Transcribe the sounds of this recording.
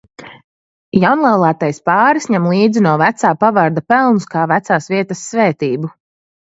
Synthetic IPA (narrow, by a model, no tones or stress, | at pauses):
jawnlˠalˠaːt̪ajspɑːɾisɲɛmlˠiːd̪zinuɔvæt̪saːpavaɾd̪apɛlˠnuskaːvæt̪saːsviɛt̪ɐsːvɛːt̪iːbu